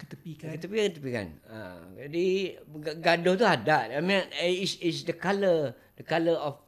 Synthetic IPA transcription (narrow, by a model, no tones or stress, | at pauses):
kət̪əpikkət̪əpikət̪əpika̰na̰d͡ʒadiɡɡadot̪uɦadaʔamĩnisisdəkalə | d̥əkaləɔf